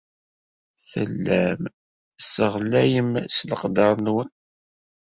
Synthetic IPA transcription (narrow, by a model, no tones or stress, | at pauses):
θə̰lːæm | səʁlæjəmsləqd̪ɑɾˤnwən